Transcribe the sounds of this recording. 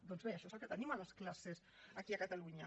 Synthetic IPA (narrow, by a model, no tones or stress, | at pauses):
d̪ɔnzβeəʃɔezəlˠkət̪ənimaləsklases | ɐkiɐkət̪aluɲə